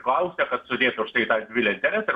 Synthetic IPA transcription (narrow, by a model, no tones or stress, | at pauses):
klˠɐʊsʲɛkɐt̪sʊd̪ʲeːt̪ʊʊʃt̪ɐɪt̪ɑːd̪ʲʋʲɪlʲɛɪnʲt̪ʲɛɾʲɛsɐɪ